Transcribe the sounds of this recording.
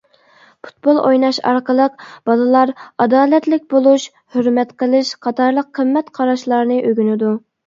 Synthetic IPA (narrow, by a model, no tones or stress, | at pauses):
pʰu̥t̪̚bolˠojnɑʃɑ̰ɾqəlˠəq̚b̥ɑlˠɨlˠɑɾɑd̪ɑːlɛt̪lɪk̚ʲbolˠuʃ | høɾmɛt̪qʰəlˠɨʃqʰɑt̪ɑɾlˠəqʰːəmːɛt̪qʰɑɾɑʃlˠɑɾnɨʔøɡʲynɪd̪u